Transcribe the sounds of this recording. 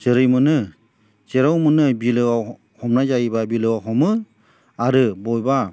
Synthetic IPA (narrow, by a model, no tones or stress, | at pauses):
z̥ɯɾɯjmɯnɯ | z̥eɾawmɯnɯbilɯwa | hɔmnazaibabilɯwaɦɔmɯ | aɾɯbɔjba